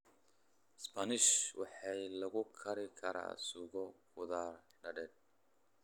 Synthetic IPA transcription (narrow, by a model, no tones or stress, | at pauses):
spʰɐnɪʃwɑħɑjlɐɣʊkʰɐɾɪkʰɐɾa̰ːsʊɣɔkʰʊðaːr | ɖɐɖɛd̪̚